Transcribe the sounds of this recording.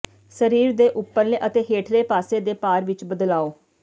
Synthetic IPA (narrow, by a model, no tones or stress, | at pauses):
səɾiːɾd̪eːʔʊpːəɾleːʔət̪eːɦeːʈʰɾeːpaːseːd̪eːpaːɾʋɪt͡ʃbəd̪laːoː